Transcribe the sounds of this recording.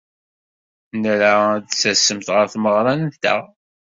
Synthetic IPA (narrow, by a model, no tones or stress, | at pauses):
nɾad̪sæsːəmt̪ʁəɾθməʁɾˤɑnənt̪æ̰ʁ